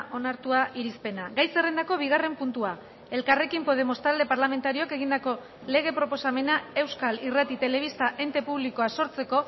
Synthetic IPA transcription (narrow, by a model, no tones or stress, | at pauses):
ʔo̞naɾt̪uaʔiɾispe̞naɣajse̞re̞nd̪ako̞β̞iɣ̞are̞mpunt̪ua | e̞lkare̞kimpo̞ð̞e̞mo̞st̪ald̪e̞paɾlame̞nt̪aɾioke̞ɣind̪ako̞ | le̞ɣ̞e̞pɾo̞po̞same̞nae̞wskalirat̪it̪e̞le̞β̞ist̪aʔe̞nt̪e̞puβliko̞aso̞ɾt͡se̞ko̞